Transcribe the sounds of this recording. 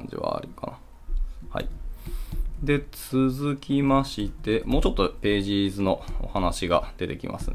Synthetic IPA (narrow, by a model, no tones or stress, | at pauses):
ɲd͡ʑḭβa̰ːɾʲikana | ha̰i | d̪e̞t͡sɨzɨkʲimaɕit̪e̞moːt͡ɕo̞t̪ːo̞pe̞ːʑizɨno̞o̰hanaɕiɡa̰d̪̥e̞t̪e̞kʲḭma̰sɨ̰n